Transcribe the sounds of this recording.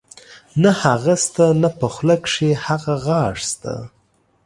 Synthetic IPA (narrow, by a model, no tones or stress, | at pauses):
nahaɣast̪anapəxləkʂehaɣaɣɑʂst̪a̰